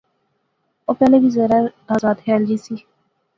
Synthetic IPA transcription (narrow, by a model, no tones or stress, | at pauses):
oːpɛːleːbiːzɛːɾaaːzaːt̪hɛːld͡ʒiːsiː